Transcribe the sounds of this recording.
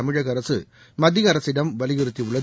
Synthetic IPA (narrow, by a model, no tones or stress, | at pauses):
ɐmɪɻɐɣɐɾɐsɯ | mɐd̪ɪɣɐɾɐsɪɽɐmʋɐlɪɣɪɾɯt̪ːiʊɭːɐ